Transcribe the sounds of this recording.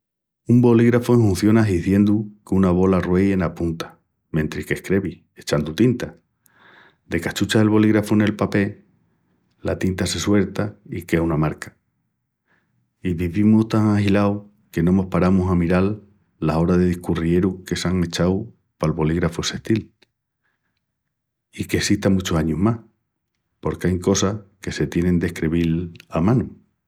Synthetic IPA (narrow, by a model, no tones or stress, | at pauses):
umbo̞liɣɾafoeŋhun̟θjo̞naɦiθje̞nd̪ukeunaβ̞o̞larwe̞je̞napunt̪ḁ | mẽ̞nt̪ɾike̞hkɾe̞βi | e̞t͡ʃand̪ut̪int̪a | d̪e̞kat͡ʃut͡ʃaelβo̞liɣɾafune̞lpape̞ | la̰t̪int̪ase̞swe̞ɾt̪aikehunamaɾkḁ | iβiβimuht̪aŋahilaw | ke̞nõ̞mohpaɾamusamiɾalː | aso̞ɾaðe̞ðihkurie̞ɾuke̞saŋe̞t͡ʃaw | palβo̞liɣɾafose̞ht̪il | ike̞siht̪amut͡ʃosaɲuɦmah | po̞ɾkeaŋko̞sake̞se̞t̪je̞nẽ̞nd̪e̞hkɾeβilamãnu